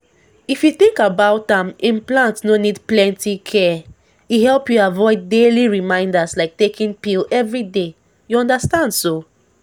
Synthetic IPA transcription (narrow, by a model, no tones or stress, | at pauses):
ifjuθĩŋkabaʊtãmĩnplãntnonidplɛ̃ntikʰɛ | ihɛlpjuavɔɪddeliɹimãɪ̃ndaslaɪk̚tekĩnpilɛvɹide | juɔ̃ndastãndso